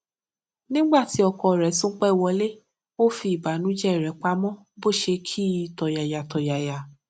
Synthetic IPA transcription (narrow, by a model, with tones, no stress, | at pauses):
nĩ˦ɡ͡ba˦˨ti˨˦ɔ˧kɔ˧˨ɾɛ˨˦sũ˦k͡pɛ˦˨wɔ˧le˦ | o˦fi˧i˨ba˨˦nũ˨˦d͡ʒɛ˦˨ɾɛ˨˦k͡pa˧˦mɔ̃˦ | bo˦˨ʃe˧kʰi˦˨tɔ˨ja˨ja˨tɔ˨ja˨ja˨